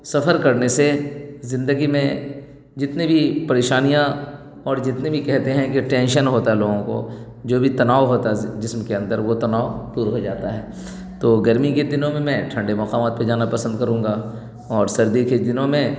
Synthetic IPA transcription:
sɐfəɾkɐɾnesezɪ̃nd̪əɡimẽ | d͡ʒɪt̪nebʱipɐɾeːʃaːnijã | ɔːɾd͡ʒɪt̪nebʱikɛɦt̪eɦɛ̃keʈɛ̃ːnʃənɦoːt̪aɦɛloːɡõko̰ | d͡ʒoːbʱit̪ɐnaːʋɦoːt̪aɦɛd͡ʒɪsmkeɐ̃nd̪əɾʋot̪ɐnaːʋd̪uːɾɦod͡ʒaːt̪aɦɛː | t̪oːɡɐɾmiked̪ɪnõmẽmɛ̃ʈʰɐ̃ɳɖemɐqaːmaːt̪̚ped͡ʒaːnapɐsə̃nd̪̚kɐɾũːŋɡa | ɔːɾsɐɾd̪iked̪ɪnõmẽ

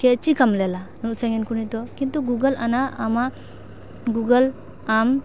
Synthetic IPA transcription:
ket͡ʃikʰamlelanɾuk̚sajŋenkuɾnitɔkintuɡuɡɐla̰naːma | ɡuɡɐl | am

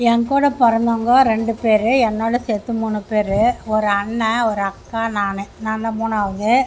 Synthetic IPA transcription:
ɛŋkuːɽɐpɐɾɐnd̪oːŋɡɐːɾɛɳɖɯpeːɾɯɛnːoːɽɐset̪ːɯmuːnɯpeːɾɯɔɾɯɐɳːɐɔɾɯɐkːaːnaːnɯnaːnɐmuːnaːʋɐðɯ

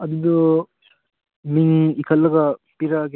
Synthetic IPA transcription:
ɐd̪udɐ | miŋikʰɐlːɐɡɐpiɾaɡ

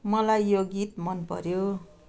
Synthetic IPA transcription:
mʌlajːoɡit̪mʌnpʌ̰ɾjo

